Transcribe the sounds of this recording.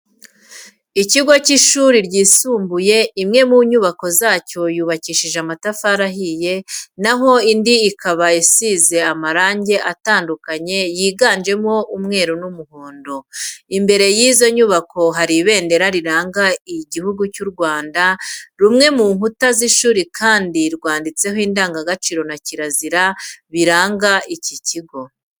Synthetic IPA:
iciɡwaciʃuːɾiɾɟiːsuːmbuje̞imŋe̞muɲuβako̞zaːco̞juːβaciʃiʒamatafaɾaɦije̞naɦo̞indiːkaβaisize̞amaɾaːɲɟe̞ʔataːndukaɲe̞jiːɡaːnd͡ʒe̞mo̞ʔumŋe̞ːɾonumuhoːndo̞imbe̞ɾe̞jiːzo̞ɲuβako̞ɦaɾiβe̞ːnde̞ɾaɾiɾaːŋɡaiɟihuɡucuɾɡwaːndaɾumŋe̞muːŋhutaziʃuːɾikʰaːndiɾɡwaːndit͡se̞ɦiːndaːŋɡaɡat͡ʃiːɾo̞naciɾaziɾaβiɾaːŋɡaʔiciciɡo̞

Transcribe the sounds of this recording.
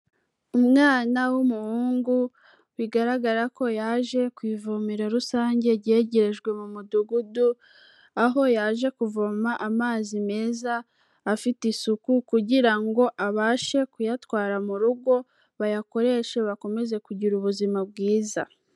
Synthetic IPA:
umŋaːnawumuhuːŋɡu | wiɡaɾaɡaɾako̞jaːʒe̞kwiːvomiɾe̞ɾusaːɲɟe̞ɟe̞ɟe̞ɾe̞ʒɡwe̞mumuduɡudu | aɦo̞jaːʒe̞kuvomaʔamaːzime̞ːzaː | fitisukukuɟiɾaŋɡo̞ʔaβaːʃe̞kujatwaːɾamuɾuɡo̞ | βajako̞ɾe̞ːʃe̞βako̞me̞ze̞kuɟiɾuβuzimab̚ɡiːza̰

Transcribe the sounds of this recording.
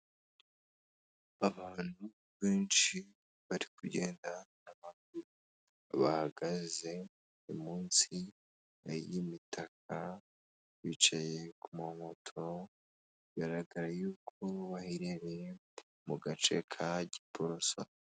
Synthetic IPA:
aβaːn̥hu | βe̞ːnʃi | βaɾikuɟe̞ːndanamakuɾu | aβa̰haɡaze̞ | imuːnsi | a̰jimitʰak̚ʰa | jit͡ʃaje̞kumamo̞tʰo̞ | iɡaɾaɡaɾajuːkʰo̞βahiɾeɾe | muɡat͡ʃe̞̰kʰaɟipʰoɾo̞sa̰

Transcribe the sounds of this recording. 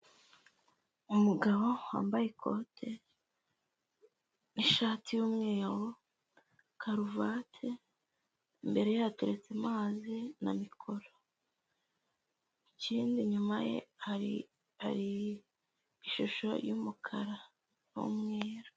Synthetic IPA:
umuɡaβo̞wa̰ːmbaje̞kʰo̰tʰe | niʃaːtijuːmŋe̞ːɾo | kʰaɾuvatʰe | mbe̞ɾe̞jateɾet͡semaːzina̰mikʰo̞ɾo | iciːndiɲumaje̞̰haɾi | ha̰ɾi | iʃuʃo̞̰jumukʰaɾa | wṵmŋeːɾo

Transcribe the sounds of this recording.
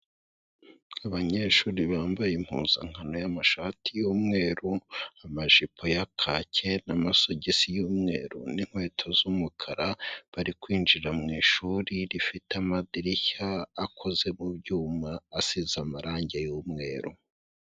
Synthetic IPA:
aβaɲe̞ʃuːɾiβaːmbajim̥hṵːz̥a̰ŋ̥hano̞jamaʃaːtijoːmŋe̞ːɾuamaʒipʰo̞jakʰacʰe̞namaso̞ɟesijuːmŋe̞̰ːɾṵniŋ̥hwe̞ːtʰo̞zumukʰaɾaβaɾikwiːnd͡ʒiɾamŋiːʃuːɾiɾifitamadiɾiçaːkʰo̞ze̞mubɟuːmaːsizamaɾaːɲɟejuːmŋe̞ːɾu

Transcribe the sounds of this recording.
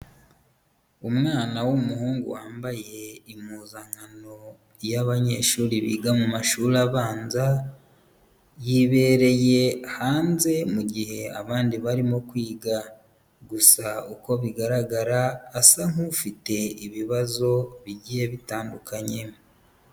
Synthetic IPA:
umŋaːnawumuhuːŋɡṵwaːmbaje̞imuːzaŋano̞ | jaβaɲe̞̰ːʃuːɾiβḭːɡamumaʃuːɾaβaːnza | jiβe̞ːɾe̞je̞haːnze̞muɟihe̞a̰βaːndiβaɾimo̞kwiːɡa | ɡusauko̞βiɡaɾaɡaɾaːsaŋ̥ufite̞iβiβazo̞βiɟije̞βitaːndukʰaɲe̞

